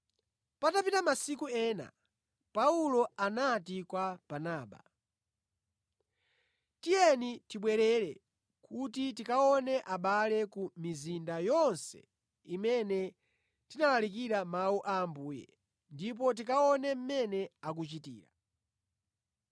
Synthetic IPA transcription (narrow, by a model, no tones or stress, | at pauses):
patapitamasikuɛːna̰ | paulɔanatikwab̥anaːɓa̰ | tijɛnitiɓwɛɾɛɾɛ̰ | kʰutitikaɔnɛʔaɓalɛkumizindajɔnsɛ̰ | imɛnɛ | tinalalik̬iɾamauʔaːmbuːjɛ̰ | ndip̬ɔt̬ikaɔnɛm̩mɛnɛak̬ut͡ʃitḭːɾa̰